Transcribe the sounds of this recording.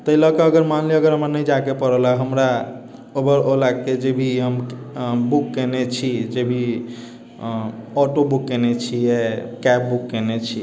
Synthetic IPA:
t̪əiləkeəɡəɾmanleəɡəɾɦəmɾanəjd͡ʒakepəɾəlaɦəmɾa | obəɾolaked͡ʒebʱiɦəmbukːenet͡ʃʰid͡ʒebʱi | ɔʈobukːenet͡ʃʰiɛkɛp̚bukːenet͡ʃʰi

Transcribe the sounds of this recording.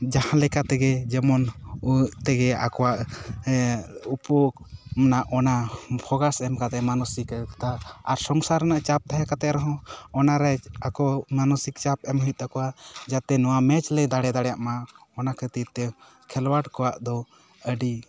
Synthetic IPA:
d͡ʒahãlɛkat̪ɛɡɛd͡ʒɛmɔnut̪ɛɡɛa̰kɔwaʔ | upɔmnaʔɔnapʰɔɡasɛmkat̪ɛʔmanɔsikt̪aaɾsɔŋsaɾɛnaʔt͡ʃap̚t̪aɦakat̪ɛʔɾɔɦɔ̃ɔnaɾɛakɔmanɔsik̚t͡ʃapɛmɦut̪̚d̪akɔwaʔd͡ʒat̪ɛnɔwamɛt͡ʃlɛd̪aɽɛd̪aɽɛjaʔmaɔnakʰət̪it̪ɛ | kʰɛlwaʈkɔwaʔd̪ɔ | əɖi

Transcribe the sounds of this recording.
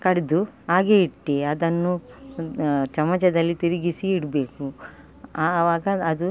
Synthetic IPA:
kɐɽed̪uaːɡeiʈːeɐd̪ɐnːu | t͡ʃɐmɐt͡ʃɐd̪ɐlːit̪iɾiɡisiːɽbe̞ːku | aːʋaːɡɐːd̪u

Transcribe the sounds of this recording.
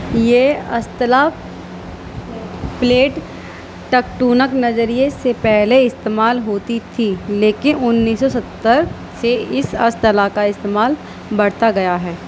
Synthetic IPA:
jeːɐ̰st̪əla | pleːʈ | ʈɐk̚ʈuːnəknɐzəɾijesepɛɦleɪst̪eːmaːlɦoːt̪it̪ʰileːkɪnʊnːiːsɔsɐt̪ːəɾ | seɪsɐ̰st̪əlakaɪst̪eːmaːl | bɐɽ̤t̪aɡɐjaɦɛː

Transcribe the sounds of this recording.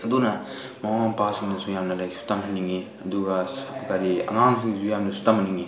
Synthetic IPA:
ɐdunɐ | mawaŋpasiŋnɐsujamnɐlajsu̥tamɦʰaniŋi | ɐduɡɐsakʰukaɾiɐ̰ŋaŋs̬ʰiŋizujamnɐsu̥tamɐniŋi

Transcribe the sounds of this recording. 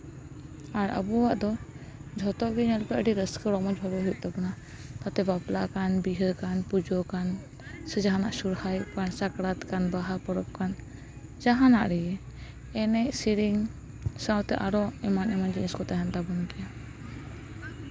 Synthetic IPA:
aɾə̰buwaʔd̪ɔ | d͡ʒʱɔt̪ɔʔɡiɲɛlpɛʔəɖiɾəskɔɾɔmɔt͡ʃbʱɔlɛɦut̪̚ˀt̪ɔbɔna | t̪at̪ɛbaplakanbiɦəɾkanpud͡ʒɔkan | sɛd͡ʒaɦanaʔsuɾhajpansakɽat̪kanbaɦapɔɾɔp̚kan | d͡ʒaɦanaʔɾɛjɛ | ɛnɛʔsiɾiŋ | sawt̪ɛʔaɾɔɛmanɛmand͡ʒiniskɔt̪aɦɛnt̪abɔnkɛja

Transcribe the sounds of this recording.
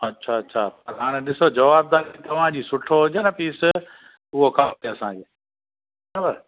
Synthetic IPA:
ɐtːɕʰaɐtːʃʰapɐɾɦaːɽ̃ẽɗɪsod͡ʑɐʋaːb̚d̪aːɾit̪ɐʋ̤ãd͡ʑiːsʊʈʰːoɦʊd͡ʑeːnɐpiːs | ʊɦokʰaːeɐsãːkʰeː | abəɾ

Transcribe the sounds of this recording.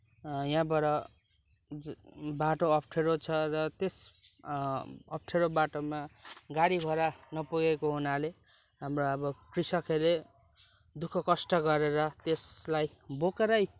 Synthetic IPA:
jãbʌɾʌ | baʈoʌpʰʈʰeɾot͡sʰʌrʌt̪es | ʌp̚ʰʈʰeɾobaʈomaɡaɽibʱʌɾanʌpuɡekoɦunale | ɦamroʌbʌkrisʌkʰele | d̪ukʰʌkʌsʈʌɡʌɾeɾʌt̪eslajbokeɾʌj

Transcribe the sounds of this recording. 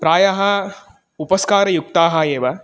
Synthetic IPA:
pɾaːjɐɦɐ | upɐskaːɾɐjuk̚t̪aːɦɐ̆eːʋɐ

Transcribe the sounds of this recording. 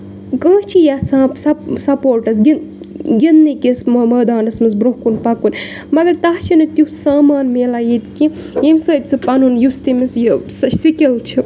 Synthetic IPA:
kɐ̃ːt͡ʃʰijasaːsɐsɐpoːɾʈɐsɡin | ɡʲinːikisməmɐːd̪aːnɐsmɨsbɾukunpɐkunʲ | mɐɡɐɾt̪aɦt͡ʃʰinɨt̪juhsaːmaːnmeːlajit̪kiemsɐːt̪ʲt͡sʰɨpɐnunjust̪imisjəsɐsikilt͡ʃʰi

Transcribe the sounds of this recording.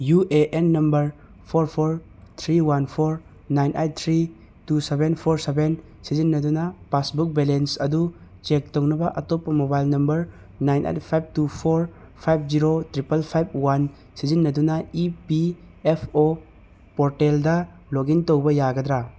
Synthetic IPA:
juʔeʔenːɐmbɐɾ | pʰoɾpʰoɾ | t̪ʰɾiwanpʰoɾ | najnʔejt̚t̪ʰɾi | tusebenpʰoɾseben | sizinːɐdunɐpasbuk̚belensɐdut͡ʃek̚townɐbɐʔɐtopːɐmobajlnɐmbɐɾ | najnʔḛjt̚pʰajb̚tupʰoɾ | pʰajb̚ʰd͡ʒiɾotɾipɐlpʰajb̚wan | sizinːɐdunɐipi | epʰo | poɾteldɐ | loɡintowbɐjaɡɐd̪ɾa

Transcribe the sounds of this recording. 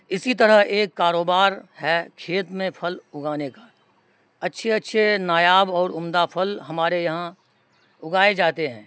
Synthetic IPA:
ɪsit̪̬ɐɾəɦeːkːaːɾoːbaːɾhɛkʰeːt̪mẽpʰɐlʊɡaːnekaː | ɐtːʃʰeɐtːʃʰenaːjaːbɔːɾʊmd̪apʰɐlɦɐmaːɾejɐɦã | ʊɡaːed͡ʒaːt̪eɦɛ̃ː

